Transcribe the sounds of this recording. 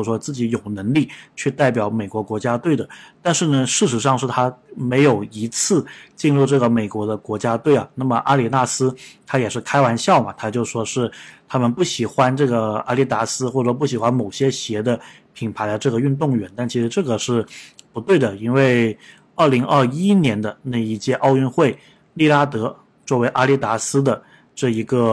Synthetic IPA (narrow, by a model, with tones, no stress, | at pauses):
ʂwɔ˥t͡sɹ̩˥˩t͡ɕi˧˥jo˨˩ʊnɤ˧˥ŋli˥˩t͡ɕʰy˥˧t̪a˥˩ɪp̬jɑ˨˩˥ʊme˨˩ɪkwɔ˧˥kwɔ˧˥t͡ɕja˥t̪we˥˩ɪd̪ə˩t̪a˥˧nʂɻ̩˥˩nə˩ʂɻ̩˥˩ʂ̬ɻ̩˧˥ʂɑ˥˧ŋʂɻ̩˥˩t̪ʰa˥me˧˥ɪjo˨˩ʊi˧˥t͡sʰɹ̩˥˧t͡ɕi˥˧nɻu˥˧ʈ͡ʂɤ˥˩ɡə˩me˨˩ɪkwɔ˧˥d̪ə˧kwɔ˧˥t͡ɕja˥t̪we˥˩ɪɐ̰˨˩na˥˩mə˩ʔa˥li˨˥˩na˥˩sɹ̩˥t̪ʰa˥jɛ˨˩ʂɻ̩˥˩kʰa˥ɪwa˧˥nɕjɑ˥˩ʊmɐ˩t̪ʰa˥t͡ɕjo˥˧ʊʂwɔ˥ʂɻ̩˥˩t̪ʰa˥mə˨npu˥˩ɕi˨˩xwa˧˥nʈ͡ʂɤ˥˩ɡə˩a̰˥li˥˩t̪a˧˥sɹ̩˥xwɔ˥˩˧p̬u˥˩ɕ̬i˨˩xwa˥nmo˨˩ʊɕjɛ˥ɕjɛ˧˥d̪ə˧ | pʰi˨˩ŋpʰa˧˥ɪd̪ə˧ʈ͡ʂɤ˥˩ɡə˩y˥˧nt̪ʊ˥˩ŋɥɛ˧˥nt̪a˥˩nt͡ɕʰi˧˥ʂɻ̩˧˥ʈ͡ʂɤ˥˩ɡə˩ʂɻ̩˥˩pu˧˥t̪we˥˩ɪd̪ə˩i˥nwe˥˩ɪ | ə˞˥˩li˧˥ŋə˞˥˧˩i˥njɛ˧˥nd̪ə˧na˥˩ɪi˧˥t͡ɕjɛ˥˧ʔɑ˥˧ʊy˥˧nxwe˥˩ɪ | li˥˧la˥t̪ɤ˧˥ | t͡swɔ˥˩we˧˥ɪʔa˥li˥˩t̪a˧˥sɹ̩˥d̪ə˨ | ʈ͡ʂɤ˥˩i˧˥ɡə˧